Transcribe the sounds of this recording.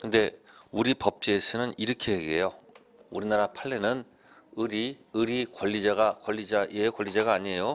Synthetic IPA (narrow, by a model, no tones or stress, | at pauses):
kʰɯnde̞uɾipʌp̚t͡ɕ͈iesʰɯnɯniɾɯkʰeeɡejo | uɾinaɾapʰaɭːe̞nɯn | ɯɾi | ɯɾikwʌʎːid͡ʑaɡakwʌɭːid͡ʑaʔieokwʌʎːid͡ʑaɡaːɲiejo